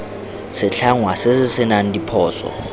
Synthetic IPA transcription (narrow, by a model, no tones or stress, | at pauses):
sɪɬʰaŋwasɪsɪsɪnan̩dʼipʰɔːsɔ̰